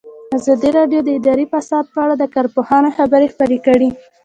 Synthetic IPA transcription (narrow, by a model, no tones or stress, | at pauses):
azɑd̪iɾɑɖjod̪əɪd̪ɑɾifasɑd̪̚pəaɽad̪əkɑɾpohɑnaxabəɾexpəɾekəɽi